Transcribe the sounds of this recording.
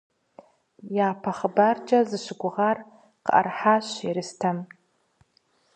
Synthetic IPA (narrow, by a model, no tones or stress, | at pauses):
jaːpʰaχəbard͡ʒʼɐzɨʃʷɪɡʷʊʁar | qəʔa̰rħaʃʷiɾɨstʰam